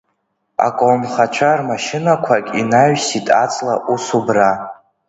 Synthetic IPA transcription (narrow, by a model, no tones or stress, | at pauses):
a̰kʷʼomχat͡ʃʷʰarmaʃɪnakʷʰakʲʼinaɥsitʼat͡sʼlaʔusubra